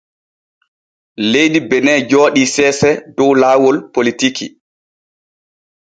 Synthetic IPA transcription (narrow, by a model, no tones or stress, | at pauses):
lejdibɛnɛd͡ʒɔːɗisɛːsɛdɔwlaːwɔlpolitikḭ